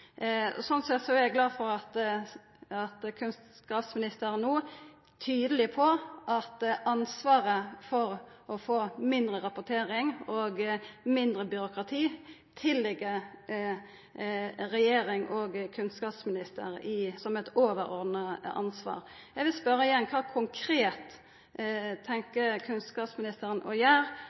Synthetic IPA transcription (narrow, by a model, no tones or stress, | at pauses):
sɔnt̪sɛt̪sɔæɾɛɡlɑːfɔɾɑt̪ | ɑt̪kʰʉnsskɑːpsmɪnɪst̪əɾnuː | t̪ʰyːd̪əlɪpʰɔʔɑt̪ɑnsʋɑːɾəfɔɾɔfoːmɪnd̪ɾəɾɑpʊt̪ʰeːɾɪŋɔɡmɪnd̪ɾəbʏɾʊkɾɑt̪ʰiː | t̪ʰɪlːɛɡːə | ɾɛjeːɾɪŋʔɔɡkʰʉnskɑːpsmɪnɪst̪ə̰ɾɪsɔmɛt̪oːʋəɾɔɾd̪nəɑ̰nsʋɑ̰ːʁ | jɛɡʋɪlspœɾəɪjɛnːkʰɑːkʰʊŋkʰɾeːt̪ | t̪ʰːɛŋkəkʰʉnskɑːpsmɪnɪst̪əɾənʔɔjæːɾ